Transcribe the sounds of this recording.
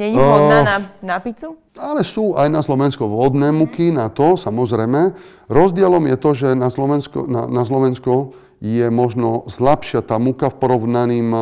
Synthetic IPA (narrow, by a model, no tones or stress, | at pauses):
ɲɛɲɔd̪nanapit͡su | alɛsuːʔajnaslɔʋɛnskuʋɔd̪nɛːmukinat̪ɔsamɔzɾɛjmɛ | ɾɔzd̪ɪɛlɔmjɛt̪ɔʒɛnaslɔʋɛnskɔ̰na̰naslɔʋɛnskɔ | jɛmɔʒnɔslapʃɪat̪aːmukafpɔɾɔʊnaniːm